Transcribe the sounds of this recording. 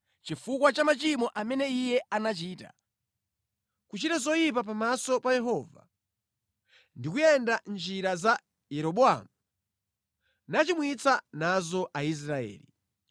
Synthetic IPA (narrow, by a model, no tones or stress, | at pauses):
t͡ʃifukwat͡ʃamat͡ʃimɔʔamɛnɛijɛanat͡ʃiːta̰ | kut͡ʃitazɔjip̬ap̬amasɔpajɛɦɔːva̰ | ndikujɛndand͡ʒiɾaza | jɛɾɔɓɔa̰ːmu | nat͡ʃimwit͡sanazɔʔais̬ɾaɛ̰ːlḭ